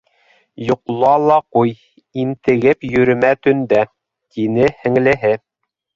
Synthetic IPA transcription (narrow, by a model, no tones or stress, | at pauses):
jŏqlˠɑlˠɑquj | int̪ɘ̆ɡɘpjɵ̆ɾɵ̆mæt̪ɵ̆nd̪æ | t̪inɘhɘ̆ŋlɘ̆ɦɘ